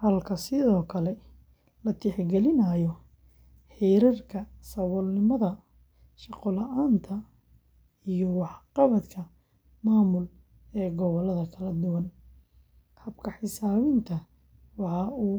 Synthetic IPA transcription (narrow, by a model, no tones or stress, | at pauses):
hɐlkʰɐsɪðɔːkʰɐlɛ | lɐt̪ʰɪħɡɛlɪnɐjɔ | hɛjɾɐrkʰɐsɐβɔlnɪmɐðɐ | ʃɑqɔlɐʔaːnt̪ʰɐ | ijɔwɑħqɑβɐt̪kʰɐ | maːmʊl | ɛːɡɔβɔlɐðɐkʰɐlɐd̪ʊwɐn | hɐbkʰɐħɪsaːβɪnt̪ʰɐ | wɑħɑuː